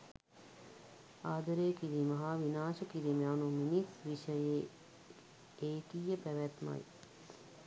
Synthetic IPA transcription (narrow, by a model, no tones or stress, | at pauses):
aːd̪əɾeːkiɾiməɦaʋinaːʃəkiɾimejanuminisʋiʃəje | eːkijəpæʋæt̪ma̰j